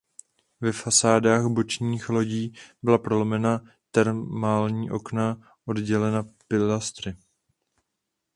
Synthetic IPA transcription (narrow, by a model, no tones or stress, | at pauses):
vɛfasaːdaːɣbo̞t͡ʃɲiːxlo̞ɟiːbɪlapɾo̞lomɛna | t̪ɛɾmaːlɲiːʔo̞kna | ʔo̞dɟɛlɛnapɪlast̪ɾɪ